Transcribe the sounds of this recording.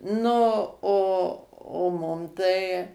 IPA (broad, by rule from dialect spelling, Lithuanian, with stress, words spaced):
ˈnʊ oː oː ˈmʊm tɐɪ